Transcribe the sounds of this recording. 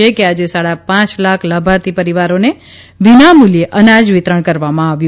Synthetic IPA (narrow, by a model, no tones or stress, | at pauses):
ekead͡ʒesaɽapãt͡ʃlakʰləbʱaɾt̪ʰipəɾiʋaɾone | ʋinamuljeʔənad͡ʒʋɪt̪ɾəɳ̃kəɾʋamãaʋju